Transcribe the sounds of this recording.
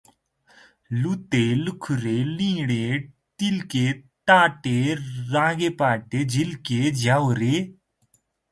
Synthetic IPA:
lut̪elukʰɾeːlĩːɽeː | ʈilkeː | ʈaːʈeːɾãːɡeːpaːʈeːd͡ʒʱilked͡ʒawɾe

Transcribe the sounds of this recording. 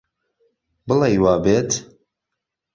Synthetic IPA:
bɨlejwaːbeːt̪

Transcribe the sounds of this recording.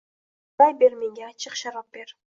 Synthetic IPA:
d̪ɑjbeɾmeŋɡeɑt͡ʃɯqʃɑɾɑp̚beɾ

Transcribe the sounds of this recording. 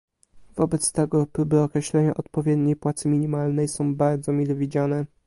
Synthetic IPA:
vɔbɛt̪st̪ɛɡɔpɾubɛɔkɾɛɕlɛɲaʔɔt̪pɔvʲjɛd̪ɲejpwat̪sɘmʲiɲimalnɛjsɔ̃w̃baɾd̪zɔmʲilɛvʲid͡ʑanɛ

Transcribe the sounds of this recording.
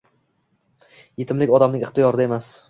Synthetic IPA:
jet̪ʰɪmlɪkʲɒd̪amnɪŋʲɪχt̪ɪjɒɾɪd̪ae̞mas

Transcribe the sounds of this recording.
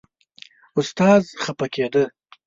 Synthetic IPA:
ʊst̪ɑːzxapaked̪ə

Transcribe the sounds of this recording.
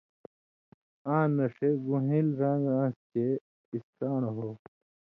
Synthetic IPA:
ãːnɐʂeɡuɦilɾãːŋɡãːske | ist̪aːnɐɦoː

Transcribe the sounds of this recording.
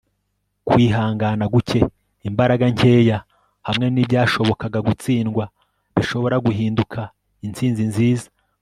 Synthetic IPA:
kwiːɦaːŋɡanaɡuce̞ | imbaɾaɡaɲe̞ːja | hamŋe̞nibɟaːʃo̞βo̞kaɡaɡut͡siːnɡwa | βiʃo̞βo̞ɾaɡuɦiːndukʰa | int͡siːnzinziːzḁ

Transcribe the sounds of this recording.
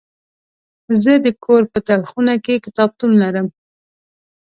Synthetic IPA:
zəd̪əkʰoɾpət̪alxunakekɪt̪ɑb̚t̪umlaɾəm

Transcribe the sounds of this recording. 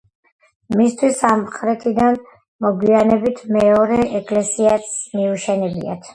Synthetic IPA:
mist̪ʰwisamqʼɾɛt̪ʰid̪an | mɔɡwianɛbit̪ʰmɛɔɾɛʔɛkʼlɛsiasmiuʃɛnilḭa̰t̪ʰ

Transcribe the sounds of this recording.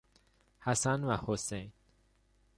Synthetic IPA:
hæsænvæhosejn

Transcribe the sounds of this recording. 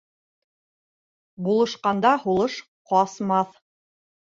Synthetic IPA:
bulˠɤ̆ʃqɑnd̪ɑhulˠɤʃ | qɑsmɑθ

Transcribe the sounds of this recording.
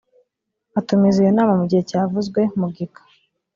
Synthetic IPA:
atumizijonaːmamuɟihecaːvuzɡwe̞muɡikḁ

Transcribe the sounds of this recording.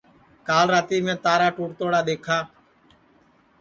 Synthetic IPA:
kaːlɾaːt̪iːmẽːt̪aːɾaːʈuːʈt̪oːɽaːɗ̪eːkʰaː

